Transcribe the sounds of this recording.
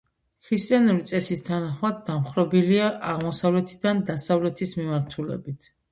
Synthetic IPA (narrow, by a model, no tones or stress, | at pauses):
kʰɾist̪ʼianuɾit̪sʼɛsist̪ʰanaχmad̪ːamχɾɔbiliaʔaʁmɔsavlɛt̪ʰid̪and̪asavlɛt̪ʰismimaɾt̪ʰulɛ̰bit̪ʰ